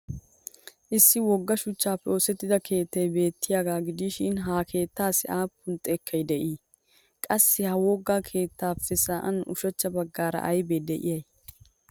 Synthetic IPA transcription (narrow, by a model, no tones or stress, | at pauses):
ʔɪsːɪwɔɡːɐʃʊt͡ʃːaːpːɛoːsɛt̪ːɪd̪ɐkʰe̞ːt̪ːɛjbe̞ːt̪ːɪjaːɡaːɡɪd̪iʃɪnɦaːkʰe̞ːt̪ːaːsɪʔaːpːʊnt̪ʼːɛkʰːɐjd̪ɛʔiː | kʼɐsːɪhɐwɔɡːaːkʰe̞ːt̪ːaːpːɛsaːʔɐ̰nʊ̰ʃɐt͡ʃːɐbɐɡːaːɾɐ̰ʔɐjbeːd̪ɛʔɪ̰jɐj